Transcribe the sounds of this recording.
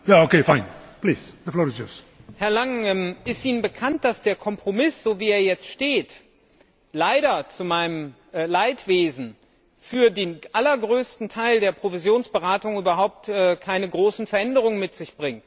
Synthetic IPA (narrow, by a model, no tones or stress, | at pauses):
jaokefãɪ̃npliːz̥d̪əflɔːɹɪzjɔ̰s | hɛɐlaŋɛmʔɪstʔiːnənbəkʰant̚d̥asd̥eːɐkʰɔmpʁ̥omɪsz̥oːviːeːɐjɛt͡stʃteːt | laɪɾɐt͡sumaɪnəm | laɪtv̥eːzn̩ | fyːɐdeːnʔalɐɡʁøːstn̩tʰaɪldeːɐpʁ̥ovizjoːnsb̥əʁaːtʊŋyːbɐɦaʊp̚tʔɛːkʰaɪnəɡʁoːsn̩fɛɐʔɛndəʁ̞ʊŋənmɪtz̥ɪçb̥ʁɪŋt